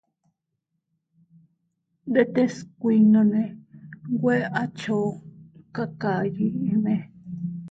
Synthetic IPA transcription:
d̪e˦t̪e˦skʷi˧nõ˧nẽ˧ɡʷe˦ʔa˦t͡ʃo˨˦ka˦ka˨ji˧ẽ˧nẽ˧

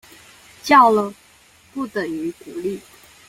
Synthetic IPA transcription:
t͡ɕjɑ˥˩ʊlə˨˩ | pu˥˩t̪ə˨˩ŋy˧˥ku˨˧˥li˥˩

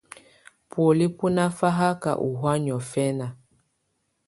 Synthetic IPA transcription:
pwo˨li˦pu˦na˦fa˦ɦa˦ka̰˨ʔu˨ɦwa˦ɲɔ˨fɛ˦na˨

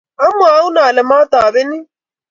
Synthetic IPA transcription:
a˦mʊ˨˦a˦u˦naː˨lɛ˨maː˦t̪aː˨βɪ˦ni˦

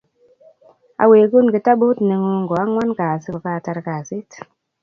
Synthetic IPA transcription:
a̰˨we˨ku˦nki˨ta˦bo˦tne˨ŋu˧ŋɡo˨a˦ŋwa˦nka˨si˦o˨ka˨ta˧ɾka˨si˦t

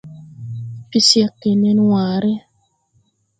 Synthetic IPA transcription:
pi˦sja˦kːe˨nɛ˦nwa˨ɾe˦

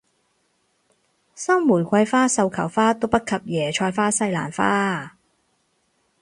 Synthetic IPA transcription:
sɐ˥mːuː˨˩nkʷɐ˧jfaː˥sɐ˧wkʰɐ˨˩wfaː˥t̪o˥wpɐ˥t̚kʰɐ˨p̚jɛː˨˩t͡ʃʰɔː˧jfaː˥sɐ˧jla̰ː˨˩nfaː˥

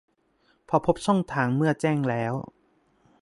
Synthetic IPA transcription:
pʰɔ˧pʰo˦˥p̚sɔ˥˩ŋt̪ʰaː˩˦ŋmɯ˥˩ɐt͡ɕɛː˥˩ŋlɛː˦˥w

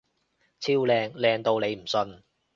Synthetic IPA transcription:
t͡sʰiː˥wlɛː˧ŋlɛː˧ŋt̪o˧wne˨˧jm̩˨˩sɵ˧n

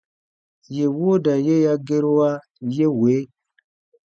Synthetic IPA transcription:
je˨wo˦da˨je˦ja˦ɡe˦ɾo˦wa˦ | je˦we˨˦

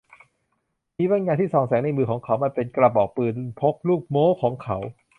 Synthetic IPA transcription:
miː˧wa˧ŋɲaː˧t̪ʰiː˥˩sɔː˨˩˦ŋsɛː˩˦ŋna˧jmɯː˧kʰɔː˩˦ŋkʰa˨˦wma˧˩npe˧nkla˧˩p̚ʔɔː˨˩k̚pɯː˨˩npʰo˦˥k̚luː˥˩k̚moː˦˥kʰɔː˩˦ŋkʰa˨˦˥w

